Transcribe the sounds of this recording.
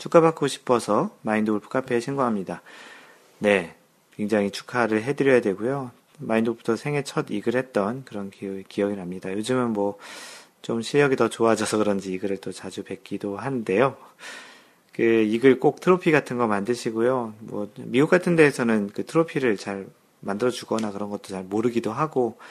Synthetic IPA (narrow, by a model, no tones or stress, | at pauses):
t͡ɕʰuk͈ʰabak͈oɕʰi̥pʰʌsʰʌmaindouɭpʰu̥k͈apʰe̞ɕʰinɡoɦamɲida | ne̞ | kwe̞ŋd͡ʑaŋit͡ɕʰu̥kʰaɾɯɭɦe̞dɯɾjʌjadwe̞ɡojo | maindobu̥tʰʌsʰe̞ŋɦe̞t͡ɕʰʌdiɡɯɭhe̞t̚t͈ʌnkɯɾʌnkkiʌɡinɦamɲidajod͡ʑɯmɯnmwʌt͡ɕomɕʰijʌɡitʌt͡ɕoad͡ʑʌsʰʌkɯɾʌnd͡ʑiːɡɯɾɯɭt͈ot͡ɕad͡ʑupe̞k͈idoɦanɯnde̞jo | kɯiɡɯɭk͈ok̚tʰɯɾopʰiɡatʰɯnɡʌmandɯɕʰiɡojomwʌmiuk͈atʰɯnde̞ːsʰʌnɯnkɯtʰɯɾopʰiɾɯɭt͡ɕaɭ | mandɯɾʌd͡ʑuɡʌnakɯɾʌnɡʌt̚t͈ot͡ɕaɭmoɾɯɡidoɦaɡo